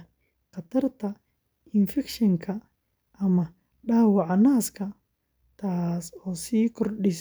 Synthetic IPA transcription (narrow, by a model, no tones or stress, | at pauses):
qɑt̪ʰɐrt̪ʰɐ | ɪnfɛkʃɐŋkʰɐ | ʔɐmɐ | ɖaːwɑʕɑnaːskʰɐ | t̪ʰaːsɔːsiːkʰɔrɖɪs